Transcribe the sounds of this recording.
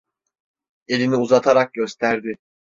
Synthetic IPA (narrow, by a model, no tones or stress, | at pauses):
e̞lʲiniuzat̪ʰaɾak̚ɟø̞st̪ʰæɾd̪ɪ